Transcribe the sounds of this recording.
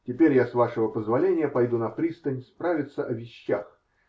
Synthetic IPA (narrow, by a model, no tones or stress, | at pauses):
tʲɪpʲeɾʲjasvaʂəvəpəzvɐlʲenʲɪjəpɐjd̪unɐpɾʲist̪ənʲspɾavʲɪt̪səʔɐvʲɪɕːax